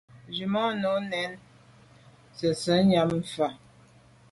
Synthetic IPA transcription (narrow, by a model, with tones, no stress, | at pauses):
d͡ʒi˨mɔ˦no˨˦nɛ˨˦n | sə˨sə˨˦ɲa˦m̩˨fa˨